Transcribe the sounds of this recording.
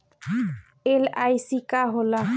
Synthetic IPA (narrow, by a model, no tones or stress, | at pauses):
elajsikaɦola